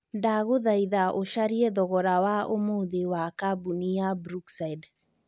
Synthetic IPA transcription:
ndaɣoðaiðaʔoʃaɾiɛðɔɣɔɾawaʔomoðewakabuniabɾuksaid

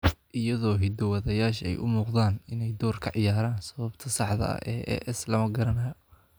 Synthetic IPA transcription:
ʔɪjɐðɔːɦɪd̪ɔwɑðɐjaːʃɛ̰jʔʊ̰muːqðaːnɪnɛjd̪ɔːrkʰɐʕɪjaːɾaːnsɐβɐbt̪ʰɐsɑħd̪ɐ̰ɐ̰ʔɛːʔɛ̰ːʔɛslɐmɐɡɐɾɐnɐjɔ

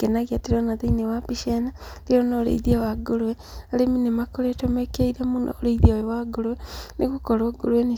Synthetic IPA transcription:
kenaɣiateɾɔnaðainewapiʃenaleɾonoɾḛiðiawaɡoɾwɛ | aɾeminemakoɾetomekeiɾamono̰oɾeiðiajɛwaɡoɾwɛnekukɔɾoɡoɾwɛni

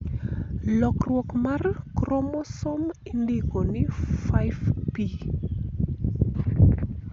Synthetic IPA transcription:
lɔkrwɔkmarkrɔmɔsɔmindikonɪfajvpi

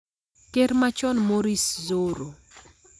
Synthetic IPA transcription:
keɾmat͡ʃɔnmoɾiszoɾo

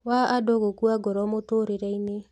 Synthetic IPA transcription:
waadoɣokuaɡɔɾɔmotoɾeɾɛine

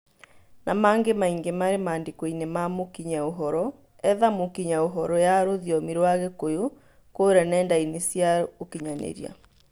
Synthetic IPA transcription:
namaŋɡemaiŋɡemaɾemaːndekɔinemamokiɲaoɦɔɾɔ | ɛðamokiɲaoɦɔɾɔjaɾoðjɔmiɾwaɣɛkojo | koɾɛnɛːndainesjaokiɲanḛɾḭa̰

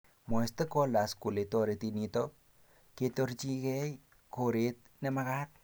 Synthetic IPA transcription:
moest̪ekolaskuletoɾetinito | ketoɾt͡ʃiɡej | koɾet̪̚ | nemaɣat̪̚

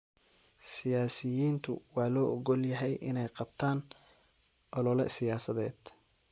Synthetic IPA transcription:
sɪjaːsɪjiːnt̪ʰʊwɑːlɔːʔɔɡɔljɐɦɛjʔɪnɛjqɑbt̪ʰaːn | ʔɔlɔlɛ̰sɪjaːsɐðɛːd̪̥

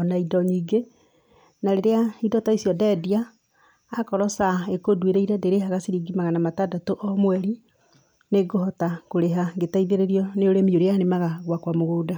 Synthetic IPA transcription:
ɔnaidɔɲiːɡe | naɾeɾeaidɔtaisiɔdɛdiaː | kɔɾɔsaekodweɾeiɾɛdeɾeɦaɣasiɾiɡimaɣanamatadatoʔɔmwɛɾi | neɡohɔtakoɾeɦaŋɡetaiðeɾeɾiɔneoɾemioɾeanemaɣaɣwakwamoɣoːda

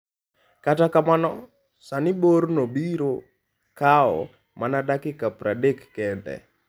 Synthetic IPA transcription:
katakamanɔ | sanɪboɾnobiɾo | kaɔ̰ | manadakɪkapɾadekːɛndɛ̰

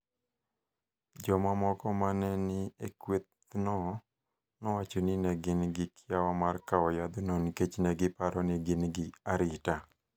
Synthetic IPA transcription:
d͡ʒɔmamɔkɔmanɛnɪekwet̪ | nɔ | nɔwat͡ʃonɪnɛɡɪnɡɪkʰɪjawɔmarkaɔjad̪noniket͡ʃnɛɡɪpaɾɔnɛɡɪnɡɪaɾɪta

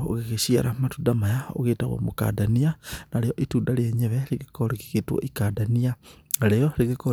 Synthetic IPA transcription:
o̰ɣeɣeʃia̰ɾamatuːdamajao̰ɣeta̰ɣwo̰moka̰danianaɾejoʔituːdaljaɲeβeliɣikoɾiki̥ɣetwo̰ʔikadaniaɾejoliɣeko

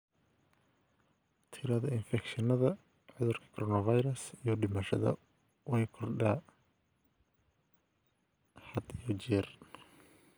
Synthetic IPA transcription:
t̪ʰɪɾɐðɐɪnfɛkʃɐnɐðɐ | ʕʊðʊrkʰɐ̥kʰɔɾɔːnɐvɐjɾɐsijɔɖɪmaːʃɐðɐ̰ | wɛjkʰɔrɖa | ħɑd̪ijɔt͡ʃɛːr

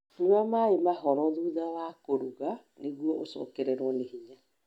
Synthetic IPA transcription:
newamaemaɦɔɾɔðuːðawakoɾuɣa | neɣwɔʔosɔ̰ːkɛɾɛɾwɔnehiɲa

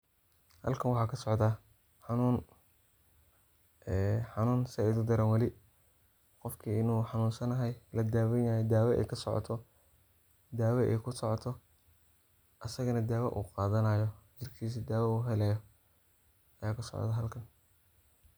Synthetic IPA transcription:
hɐ̰lkʰɐnwɑħɑːkʰɐsɔʕd̪aː | ħɑnuːn | ɛħɑnuːnsɪɛjðʊd̪ɐɾɐnwɐlɪ | qɔfkʰiːɪnuːħɑnuːnsɐnɐɦɛjlɐd̪aːwɛnajɛd̪aːwʔɛ̰jkʰɐsɔʕɔ̰t̪ʰɔ | d̪aːwɛʔɛ̰jkʰʊsɔʕɔt̪ʰɔ | ʔɐsɐɣɐnɐd̪aːwɐʔṵːqɑːðɐnɐːjɔd͡ʒɪrkʰiːs̬id̪aːwɛuːɦɛlɛjɔ | ɐjaːkʰɐsɔ̰ʕd̪aɦɐlkʰɐn

